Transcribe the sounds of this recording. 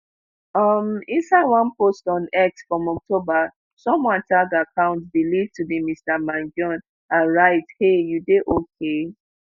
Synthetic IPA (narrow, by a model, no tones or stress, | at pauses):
ʌmĩnsaɪwãnpostɔ̃nɛk̚sfɹɔ̃mɔk̚toba | sɔ̃mwãntʰaɡakʰãʊ̃ntbilivtubimistamãnd͡ʒɔ̃n | ãɹaɪthejudeʔokʰe